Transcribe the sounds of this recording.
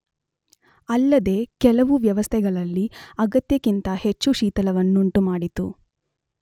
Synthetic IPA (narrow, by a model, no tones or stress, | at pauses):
ɐlːɐd̪e̞ːkɛlɐʋuʋjɐʋɐst̪ʰɛɡɐɭɐlːiɐɡɐt̪jɐkint̪ɐhe̞t͡ʃːuʃiːt̪ɐlɐʋɐnːuɳʈumaːɽit̪ṵ